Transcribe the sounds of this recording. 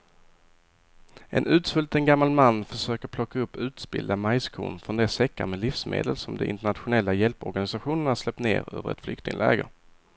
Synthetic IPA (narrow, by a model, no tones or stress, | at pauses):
ʔɛ̰nʉ̟ːt̪sfɵlt̪ənɡamːalmanːfœʂøːkəɾpʰlɔkːaɵpːʉ̟ːt̪sbɪ̰ld̪amajskʰṵːnfɾɔnd̪ɛsɛkːamɛlifsmḛːd̪əlsɔmd̪ɛ̰ʔɪ̰nt̪əɳat̪ɧʊnɛlːajɛlpɔɾɡanɪsaɧuːnəɳaʂlɛp̚t̪nḛːɾø̰ːvəɾɛ̰t̪flʏ̰kt̪ɪ̰ŋlɛ̰ːɡə̰